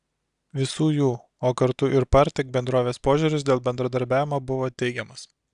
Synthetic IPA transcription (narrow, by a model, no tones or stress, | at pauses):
ʋʲɪsuːjuː | oːkɐɾt̪ʊʔɪɾpɐɾʲt̪ʲɛk̚bʲɛnd̪ɾoːʋʲeːspoːʒʲʊɾʲʊs̬d̪ʲeːlˠbʲɛnd̪ɾɐd̪ɐɾʲbʲæːʋʲɪmoːbʊʋoːt̪ʲɛɪɡʲɛmɐs